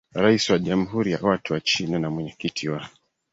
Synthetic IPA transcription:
ɾaisiwaʄam̩ɦuɾija̰watuwat͡ʃinanamwɛɲɛkitʰiwa

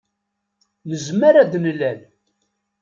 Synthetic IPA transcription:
məzməɾæd̪nlːæl

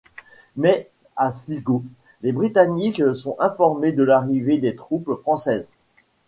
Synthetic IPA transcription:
mɛ | asliɡo | lebʁit̪aniksɔ̃ɛ̃fɔʁmed̪əlaʁived̪et̪χupfχɑ̃sɛz

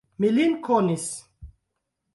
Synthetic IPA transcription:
milinkʰɔnis

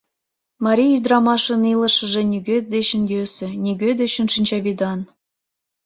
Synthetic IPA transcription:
mɑɾʲijyd̪rɑmɑʃə̆nilə̆ʃə̆ʒĕnʲyɡød̪et͡ɕə̆njøsĕnʲiɡød̪eɕə̆nʃinʲt͡ɕɑβʲid̪ɑn

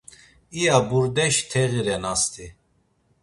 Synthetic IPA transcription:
ijabuɾd̪ɛʃt̪ʰɛɣiɾɛnast̪ʰi

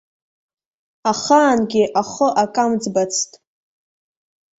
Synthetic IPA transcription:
aχaːnɡʲɪʔaχʊʔakʼamd͡zbat͡sʰtʼ

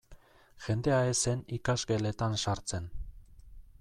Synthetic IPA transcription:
ʝe̞nd̪e̞aese̞nikazɡe̞le̞t̪ansaɾt͡se̞n

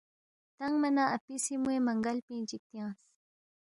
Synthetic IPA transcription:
t̪aŋɡmanaʔapisimuemaŋɡalpĩːt͡ʃik̚t̪ijɑ̃ːs

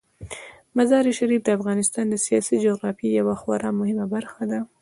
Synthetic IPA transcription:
mazɑɾiʃaɾifd̪əafɣɑnɪst̪ɑnd̪əsijɑsid͡ʒoɣɾɑfijawaxwa̰ɾɑmʊhɪmabaɾxad̪a

